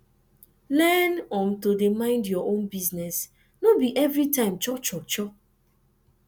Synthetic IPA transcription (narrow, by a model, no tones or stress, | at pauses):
lɛnɔ̃mtodemãɪ̃ndjɔʔõnbiznɛs | nobiʔɛvɾitãɪ̃mt͡ʃɔt͡ʃɔt͡ʃɔ